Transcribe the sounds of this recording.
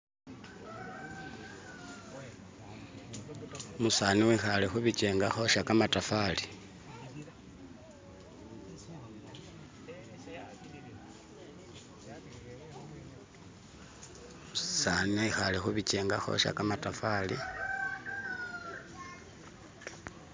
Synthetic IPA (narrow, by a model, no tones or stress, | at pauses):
musaːniwixalexuβit͡ʃeːŋɡaxo̞ʃakamatafali | musaneixalexuβit͡ʃeːŋɡaxo̰ʃa̰kamatafali